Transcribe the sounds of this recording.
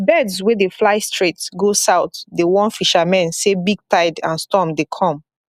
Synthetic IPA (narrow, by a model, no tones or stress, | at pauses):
bɛdswɛdeflaɪstʰɹetsɡosaʊtdewɔ̃nfiʃamɛ̃nsebiɡ̚tʰaɪdãnstɔmdekʰɔ̃m